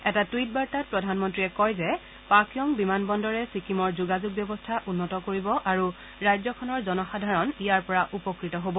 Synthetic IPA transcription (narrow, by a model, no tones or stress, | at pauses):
ɛtatwit̚baɹtat̚pɹɔdʱanmɔntɹiɛkɔjzɛ | pakʰjɔŋbimanbɔndɔɹɛsikimɔɹzuɡazuɡ̚bjɔbɔstʰaʔunːɔtɔkoɹibɔʔaɹu | ɹajzɔkʰɔnɔɹzɔnɔxadʱaɹɔnijaɹpɔɹaʔupɔkɹitɔɦobɔ